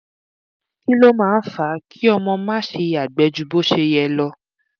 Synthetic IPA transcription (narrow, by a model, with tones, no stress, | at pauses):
ki˦lo˦mãː˦˧˨n̩˦fa˨˦kʰi˦ɔ˧mɔ̃˧mãː˦ʃe˧˦˨a˨ɡ͡bɛ˨˦d͡ʒu˧bo˦ʃe˧jɛ˧lɔ˧